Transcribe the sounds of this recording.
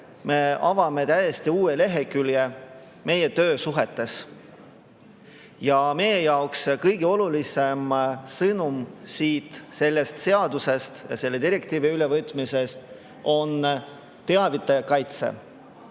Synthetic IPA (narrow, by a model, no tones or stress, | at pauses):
me̞ɑvɑme̞t̪æjest̪iuːele̞ɦe̞kylje | me̞je̞t̪ø̞ːsuɦe̞t̪ːˑe̞s | jɑme̞jejɑokskɤjɡeo̞lulise̞msɤnumsiːt̪ˑse̞lːe̞st̪se̞ɑd̪̥use̞st̪jɑ̰se̞lːe̞d̪iɾe̞kt̪iːviylevɤt̪ˑmise̞st̪ | ʔo̞n | t̪e̞ɑvit̪ːˑɑjɑkɑjt̪se̞̰